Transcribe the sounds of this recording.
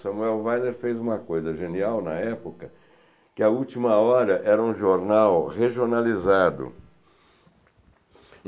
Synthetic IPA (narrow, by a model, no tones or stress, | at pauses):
sɐ̃muɛwvajneɾfejzũmɐkojzɐʒeniawnɐɛpokɐ | kɪɐut͡ʃimɐɔɾɐʔɛɾɐũʒoɾnawheʒionalizad̪ʊ̰